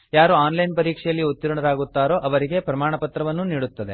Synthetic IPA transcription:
jaːɾuaːnlɐjnpɐɾiːkʂɛjɐlːiut̪ːiɾuɳɐɾaːɡut̪ːaːɾo̞ːʔɐʋɐɾiɡe̞pɾɐmaːɳɐpɐt̪ɾɐʋɐnːuniːɽut̪ːɐd̪e̞

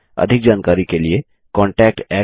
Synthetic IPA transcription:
ɐ̰d̪ʱɪk̚d͡ʒaːnkaːɾikelie | kɔ̃ːɳʈɛːk̚ʈɛː

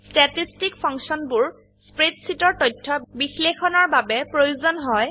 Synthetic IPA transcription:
stɛtistikpʰɔŋsɔnbʊɹ | spɹetsitɔɹtɔjtʰːɔbixlexɔnɔɹbabɛpɹojuzɔnɦɔj

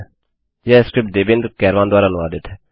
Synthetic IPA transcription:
jɛːskɾɪp̚ʈ̚d̪eːbɪ̃nd̪ɾkɛːɾʋãːnd̪ʊwaːɾaənʊaːd̪ɪt̪ʰɛː

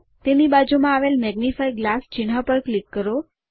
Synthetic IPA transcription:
t̪enibad͡ʒumãaʋelmɛɡnifajɡlast͡ʃɪnɦapəɾklikːəɾo

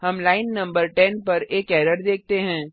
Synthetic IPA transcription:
ɦɐmlaːɪnːɐ̃mbəɾʈɛnpɐɾeːkɛːɾəɾd̪eːk̚ʰt̪eɦɛ̃ː

